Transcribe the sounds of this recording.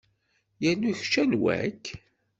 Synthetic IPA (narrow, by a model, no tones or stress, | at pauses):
jænːuçt͡ʃːænwæ̰k